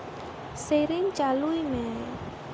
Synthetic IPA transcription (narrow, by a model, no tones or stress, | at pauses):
seɾɪŋt͡ʃaluimɛ